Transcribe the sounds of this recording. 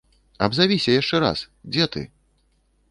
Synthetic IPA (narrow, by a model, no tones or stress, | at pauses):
ɐ̰bzavʲisʲɐjaʂt͡ʂɛɾa̰s | d͡zʲɛt̪ɨ̰